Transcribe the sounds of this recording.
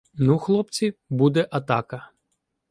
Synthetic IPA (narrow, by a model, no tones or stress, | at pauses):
nuxlˠɔpt͡sʲibud̪ɛʔɐt̪ɑkɐ